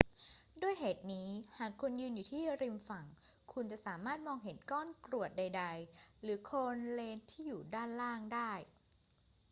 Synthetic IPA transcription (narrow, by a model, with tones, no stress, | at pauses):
du˥˩əjɦeː˨˩t̪̚niː˦˥haː˨˩kʰːu˧njɯː˧njuː˨˩t̪ʰiː˥˩ɾi˧mfa˨˩ŋ | kʰu˧nt͡ɕa˨˩ʔsaː˩˦maː˥˩t̪̚mɔː˧ŋɦe˩˦nkɔː˥˩nkɾu˨˩ət̪̚da˧jda˧jɾɯː˩˦kʰoː˧nleː˧nt̪ʰiː˥˩juː˨˩daː˥˩nlaː˥˩ŋdaː˥˩j